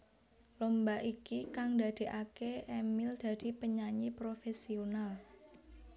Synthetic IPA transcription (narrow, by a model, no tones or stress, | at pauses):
lombaʔikikaŋdad̪̥e̤ʔakeʔemɪld̪̥a̤d̪̥i̤pəɲaɲipɾofesional